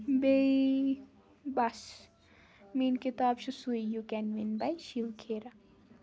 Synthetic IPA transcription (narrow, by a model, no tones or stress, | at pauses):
bei | bas | minkit̪aːbʃusuijukɛnʋinbɐjʃiwkʰeːɾa